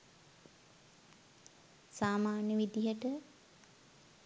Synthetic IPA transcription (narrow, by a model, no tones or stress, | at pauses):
saːmaːnjəʋid̪ijəʈə